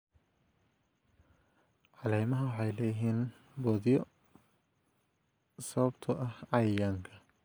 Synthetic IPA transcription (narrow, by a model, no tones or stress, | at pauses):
ʕɑlɛjmɐɦɐwɑħɑjlɛːjɪɦiːn | bɔːðɪjɔ | sɐβɐbt̪ʰɐʔɐhʕɑjjɐŋkʰɐ